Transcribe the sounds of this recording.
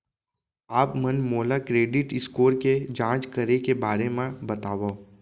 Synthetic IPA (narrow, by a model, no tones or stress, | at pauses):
aːpmɐnmoːlakɾeːɖɪʈɪskoːɾked͡ʒãːt͡ʃkɐɾekebaːɾemẽbɐt̪aːʋa